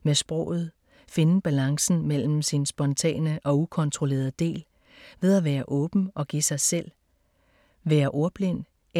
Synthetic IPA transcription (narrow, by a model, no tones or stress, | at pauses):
mesb̥ʁɔ̰̽ʊ̰ð̞̩ˠ | fe̝nəb̥ælɑ̈ŋsn̩mel̰m̩sinsb̥ɒ̽nt͡sʰɛ̰ːnəʔɒ̽ukʰɒ̽nt͡sʰʁo̝le̝̰ːɐð̩ˠd̥e̝̰ːl | ʋe̝ð̞ˠæʋæːɐʔɔ̽ːb̥n̩ʔɒ̽ɡ̥isɑ̈ɪsel̰ | ʋæːɐʔo̝ɐb̥len